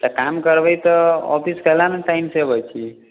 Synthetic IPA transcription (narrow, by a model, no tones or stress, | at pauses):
t̪əkamkəɾbəjt̪ɔɔ̰pʰiskəlaneʈaimsebəjt͡ʃʰi